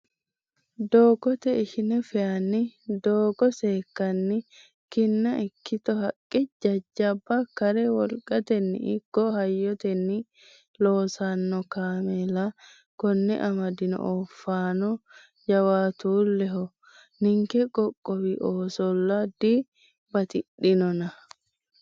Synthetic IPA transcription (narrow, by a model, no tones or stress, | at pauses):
d̪oːɡɔt̪ɛɪʃɪnɛfɛjɐnːɪd̪oːɡɔseːkːɐnːɪ | kɪnːɐʔɪkːɪt̪ɔɦɐkʼːɪd͡ʒɐd͡ʒːɐbːakɐɾɛwɔlkʼɐt̪ɛnːɪ̰ɪɡ̥ːɔhɐjːɔt̪ɛnːɪ | loːsanːɔkaːmɛla | kɔnːɛ̰ʔɐmɐd̪ɪnɔ̰ʔɔfːaːnɔ | d͡ʒɐwaːt̪uːlːɛɦɔ | nɪŋkɛkʼɔkʼːɔwiʔoːsɔlːad̪i | bɐt̪ɪɗɪnɔnɐ